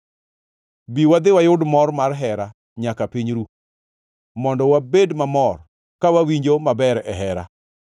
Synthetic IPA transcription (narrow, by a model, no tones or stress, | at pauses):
biwad̪ɪwajʊdmɔrmarɦɛɾa | ɲakapiɲɾu | mɔndɔwabedmamɔr | kawawiɲd͡ʒomabɛɾɛɦɛɾa̰